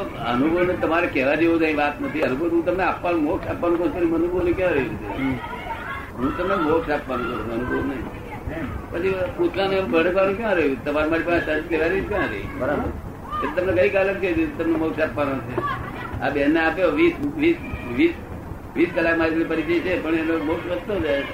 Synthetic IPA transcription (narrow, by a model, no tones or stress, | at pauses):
o | ənubʱəʋnet̪əmaɾekɛɦʋad͡ʒeukãɦĩʋat̪nət̪ʰiənuboɦũt̪əmneapʋanũmoksapʋanũkət̪oɾimənubʱonekjãɾəɦiut͡ʃʰḛ | ɦũt̪əmnemoksapʋanũkəunũənubʱəunəɦḭ̃ | kət͡ʃʰiput̪ʰlanũɛmbʱəɽkʋanũkjãɾəɦjũt̪əmaɾmaʈipəasək̪eʋaɾit͡ʃkãɾə̰ɦḭɾabə | kat̪et̪əmnekəikaləkd͡ʒəid͡ʒet̪əmnemoksapʋanot͡ʃʰe | a̰bɛneapoʋisʋisʋis | ʋiskəlakmãd͡ʒipəɾit͡ʃəit͡ʃʰepəɳenomoksʋəst̪od͡ʒae